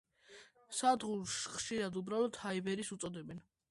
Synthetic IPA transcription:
sad̪ʁuɾsχʃiɾad̪ubɾalɔt̪ʰhaibɛɾisut̪sʼɔd̪ɛbɛn

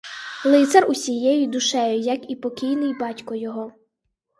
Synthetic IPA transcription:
lˠɪt̪sɛrʊsʲijɛjid̪ʊʃɛjʊjɐkipɔkʲijnɪjbɑtʲkɔjɔɦɔ

